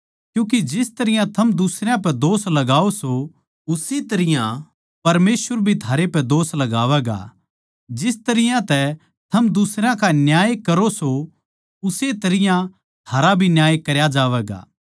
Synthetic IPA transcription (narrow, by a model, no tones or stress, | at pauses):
kjũːk̬id͡ʒɪst̪ɐɾɪjãt̪ʰɐmd̪ʊsɾejãp̬ɛd̪oːslɐɡaːoso | ʊset̪ɐɾɪjã | pɐɾmeːsʋəɾbʱit̪ʰaːɾepɛd̪oːslɐɡaːʋɛɡa̰ | d͡ʒɪst̪ɐɾɪjãt̪ɛ | t̪ʰɐmd̪ʊsɾãkanjaːjkɐɾoso | ʊset̪ɐɾɪjã | t̪ʰaːɾabʱinjaːjkɐɾjad͡ʒaːʋɛːɡa̰ː